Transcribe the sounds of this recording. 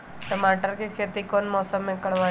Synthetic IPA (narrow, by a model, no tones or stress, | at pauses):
ʈəmaːʈəɾkikʰeːt̪ikoːnmɔːsəmːẽkɐɽʋaː